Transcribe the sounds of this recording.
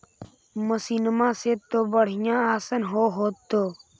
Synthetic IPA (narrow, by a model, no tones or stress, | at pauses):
məsiːnəmãːseːt̪ːoːbəɽ̤ɪjãːaːsənɦoːɦoːt̪ːoː